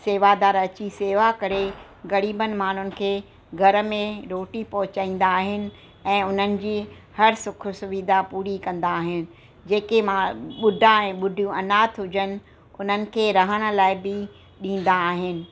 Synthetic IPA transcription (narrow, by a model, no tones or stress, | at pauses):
seːʋad̪aːɾɐt͡ɕiseːʋakɐɾe | ɣɐɾiːbənɪ̆maːɳ̤ʊnɪ̆kʰeː | ɡʱɐɾə̆mẽɾoːʈipɐɦʊt͡ɕaːĩːn̆d̪aːɦɪnɪ̆ | ɛ̃ːʊn̤ənɪ̆d͡ʑiː | hɐɾsʊkʰʊsʊʋid̪apuːɾikɐ̃n̆d̪aːɦɪnɪ̆ | d͡ʑeːkemaɓʊɖʱãɛ̃ːɓʊɖʱijũɐnaːt̪ʰɦʊd͡ʑənɪ̆ | ʊn̤ənɪ̆kʰeːɾɐɦəɽ̃ə̆laːɪbɪ | ɗĩːn̆d̪aːɦɪnɪ̆